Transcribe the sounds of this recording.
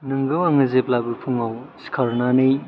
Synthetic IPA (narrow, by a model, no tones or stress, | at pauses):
nɯŋɡɯwaŋɯzeplabɯɾpʰuŋawskʰaɾnanɯj